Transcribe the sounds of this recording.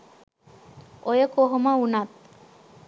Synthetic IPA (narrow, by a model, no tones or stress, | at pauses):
ʔojəkoɦomaunat̪̚